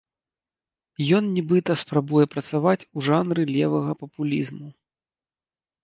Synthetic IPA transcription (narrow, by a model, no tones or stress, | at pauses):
jɔnnʲibɨt̪ɐspɾabujɛpɾɐt̪savat͡sʲuʐanɾɨlʲɛvɐɣɐpɐpulʲizmu